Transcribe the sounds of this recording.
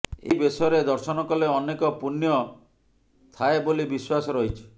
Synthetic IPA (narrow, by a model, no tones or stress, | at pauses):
ḛbesɔɾed̪ɔɾsɔnɔkɔleɔnekɔpunjɔ | t̪ʰaebolibiswasɔɾɔɦit͡ʃʰu̥